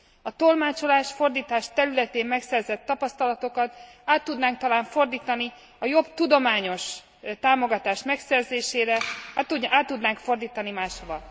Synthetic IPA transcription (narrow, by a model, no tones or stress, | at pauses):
ɒt̪o̞lmaːt͡ʃo̞laːʃfo̞rd̪iːt̪aːʃt̪ɛɾylɛt̪eːmmɛksɛrzɛt̪ːɒpɒst̪ɒlɒt̪o̞kɒt̪aːt̪ːud̪naːŋk̚t̪ɒlaːɱfo̞rd̪iːt̪ɒni | ɒjo̞bt̪ud̪o̞maːɲo̞ʃ | t̪aːmo̞ɡɒt̪aːʃmɛksɛrzeːʃeːɾɛuaːt̪ːud̪naːŋkfo̞rd̪iːt̪ɒnimaːʃhovɒl